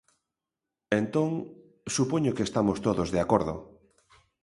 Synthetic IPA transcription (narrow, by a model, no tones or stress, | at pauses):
ẽnt̪õŋ | supoɲokest̪amost̪oðozðeakoɾðo̰